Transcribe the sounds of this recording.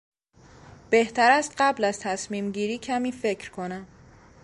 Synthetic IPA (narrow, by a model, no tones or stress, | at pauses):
b̥eht̪ʰæɾæst̪ɢæblæzt̪ʰæsmiːmɟiːɾiːcʰæmiːfe̞cʰɾkʰo̞næm